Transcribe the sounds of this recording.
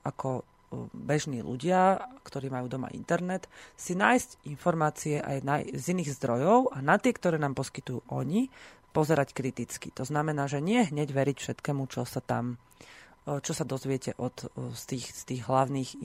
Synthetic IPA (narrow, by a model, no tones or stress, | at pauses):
ʔakɔ | bɛʒniːlṵɟɪakt̪ɔɾiːmajuːd̪ɔma̰ʔḭnt̪ɛɾnɛt̪sinaːjscinfɔɾmaːt͡siɛʔa̰jna̰jziniːɣzd̪ɾɔjɔʊʔanat̪ɪɛkt̪ɔɾɛːnaːmpɔskit̪ujṵːʔɔɲi | pɔzɛɾackɾit̪it͡skḭt̪ɔznamɛnaːʒɛɲɪɛɦɲɛɟʋɛɾicfʃɛt̪kɛːmut͡ʃɔsat̪a̰m | t͡ʃɔsad̪ɔzʋɪɛcɛʔɔt̪st̪iːxst̪iːɣɦlaʊniːx